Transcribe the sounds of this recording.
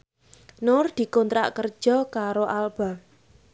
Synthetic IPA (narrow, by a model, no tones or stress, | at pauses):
nʊrd̪̥i̤kont̪ɾa̰ʔkərd̥ʒ̥ɔkaɾoʔalb̥a